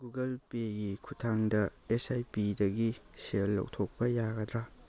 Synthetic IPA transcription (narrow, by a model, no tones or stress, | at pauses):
ɡuɡɐlpeɡikʰutʰaŋdɐesajpidɐɡiselːɐ̰wtʰok̚pɐjaɡɐd̪ɾa